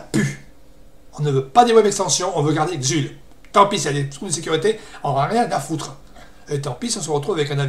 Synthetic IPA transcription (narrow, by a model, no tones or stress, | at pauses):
py | ɔ̃nəvøpad̪emwɛmɛkst̪ɑ̃sjɔ̃ɔ̃vøɡaʁd̪eɡzyl | t̪ɑ̃pisɛd̪et̪ʁuvd̪əsekʲyʁit̪eɔ̃nʁaʁjɛ̃d̪afut̪χ | let̪ɑ̃pisɔ̃səʁət̪χuvavɛkɛ̃nav